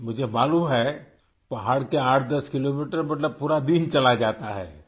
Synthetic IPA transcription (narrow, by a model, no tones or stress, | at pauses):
mʊd͡ʒʱemaːlumɦɛː | pɐɦaːɽkeaːʈʰd̪ɐskɪloːmiːʈəɾmɐt̪ləb̚puːɾad̪iːnt͡ʃɐlad͡ʒaːt̪aɦɛ̰ː